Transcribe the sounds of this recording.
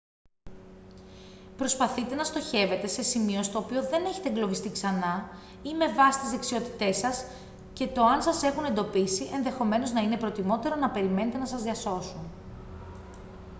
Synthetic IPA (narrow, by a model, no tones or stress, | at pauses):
pɾo̞spɐθit̪e̞nɐst̪o̞çe̞ve̞t̪e̞se̞simio̞st̪o̞ːpio̞ðe̞ne̞çe̞̥t̪eŋɡlovist̪iksɐnɐ | ime̞vɐsi̥t̪izðe̞ksio̞t̪i̥t̪e̞sɐs | ce̞t̪o̞ɐnsɐse̞xune̞nd̪o̞pisiʔe̞nðe̞xo̞me̞no̞znɐine̞pɾo̞t̪imo̞t̪e̞ɾo̞nɐpe̞ɾime̞ne̞t̪e̞nɐsɐzðɐso̞sun